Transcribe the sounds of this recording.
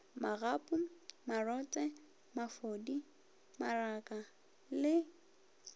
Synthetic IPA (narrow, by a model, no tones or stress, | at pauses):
maɣapʼumarɔt͡sʼɛ | mafodi | marakʼa | lɪ